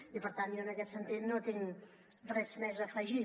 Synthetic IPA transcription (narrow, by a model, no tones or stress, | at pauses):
ipəɾt̪anjoənəkɛt̪sənt̪it̪not̪iŋ | rɛzmɛzəfəʒi